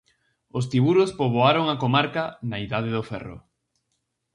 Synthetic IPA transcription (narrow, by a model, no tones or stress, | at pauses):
os̬t̪iβuɾʊspoβoaɾoŋakomaɾkɐnaiðaðeðʊfɛ̰ro̰